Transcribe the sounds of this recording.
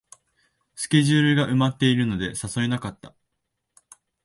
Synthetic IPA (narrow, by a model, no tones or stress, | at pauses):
sɨ̥kʲe̞ʑɨːɾɯ̟ɡaʔɯ̟mat̪ːe̞iɾɯ̟no̞d̪e̞saso̞enakat̪ːa̰